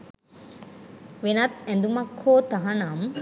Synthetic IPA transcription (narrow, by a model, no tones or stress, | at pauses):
ʋenɐt̪ɛnd̪umɐkʰhoːt̪aɦanaːm